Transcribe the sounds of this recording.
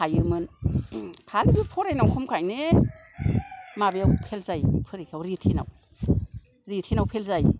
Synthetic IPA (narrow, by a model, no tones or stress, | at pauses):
ajɯɾmɯn | kʰalbipʰɔɾajnawkʰɔmkʰajne | mabejawpʰelzajpʰɯɾejkʰawɾitʰina̰w | ɾitʰinawpʰelzaj